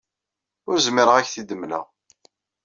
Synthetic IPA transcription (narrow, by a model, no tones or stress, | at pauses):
ʊɾzmiɾəʁæçθid̪əmlæ̰